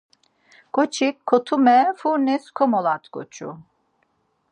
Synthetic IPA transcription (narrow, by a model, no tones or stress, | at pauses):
ɡ̥ʼɔt͡ʃʰikʰːɔt̪ʰumɛfuɾniskʰɔmɔlat̪ʰkʼɔt͡ʃʰʼṵ